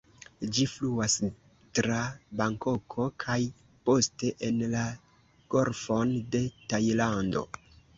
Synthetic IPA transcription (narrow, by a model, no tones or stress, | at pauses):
d͡ʒifluas | tɾabaŋko̞kʰo̞kʰaj | po̞steʔenla | ɡ̥o̞ɾfo̞nde̞tajlando̞̰